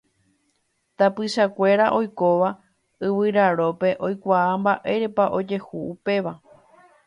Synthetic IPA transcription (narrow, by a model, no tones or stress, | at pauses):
t̪apɨʃakʷe̞ɾaʔo̞jko̞ʋa | ɨʋɨɾaɾo̞pe̞ʔo̞jkʷaːmbaʔe̞ɾe̞paʔo̞d͡ʒe̞huupe̞ʋa